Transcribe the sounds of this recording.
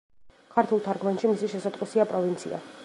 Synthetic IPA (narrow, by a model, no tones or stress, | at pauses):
kʰaɾt̪ʰulˠt̪ʰaɾɡmanʃimisiʃɛsat̪ʼqʼisiapʼɾɔvint̪sʰḭa̰